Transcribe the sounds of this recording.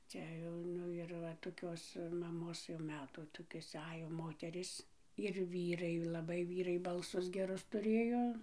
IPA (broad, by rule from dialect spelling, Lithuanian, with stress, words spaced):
ˈt͡sʲɛ jɛʊ ˈnʊ ɪr ˈʋɐ toːˈkʲoːs mɐˈmoːs jɛʊ ˈmʲæːtuː ˈtoːkʲoːs ˈɑːjoː ˈmoːtʲɛrʲiːs ɪr ʋʲiːˈrɐɪ lˠɐˈbɐɪ ˈʋʲiːrɐɪ bɐlˠˈsʊs ɡʲɛˈrʊs tʊˈrʲeːjoː